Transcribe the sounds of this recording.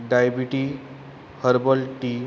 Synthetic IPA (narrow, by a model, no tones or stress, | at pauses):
ɖajbiʈi | həɾbəlʈi